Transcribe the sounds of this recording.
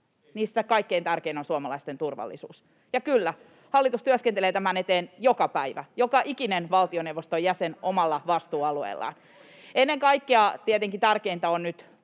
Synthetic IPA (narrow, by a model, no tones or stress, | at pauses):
niːst̪ækɑikːeint̪ærkeinonsuomɑlɑist̪ent̪urʋɑ̰lːḭsṵːs | jɑkylːæ | hɑlːit̪ust̪yøskent̪eleːt̪æmænet̪eːnjokɑpæiʋæ̰jokɑʔikinenʋɑlt̪ionewʋost̪ojæsenʔomɑlːɑʋɑst̪uːɑluḛilːˑɑ̰ːn | enːeŋkɑikːeɑt̪iet̪eŋkit̪ærkeint̪æonnyt̪